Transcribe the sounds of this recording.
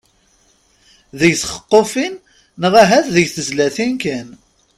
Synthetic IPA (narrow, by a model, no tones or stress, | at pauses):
ðəjsχə̥qːofinː | əʁæɦæθðəjθəzlæθinkæn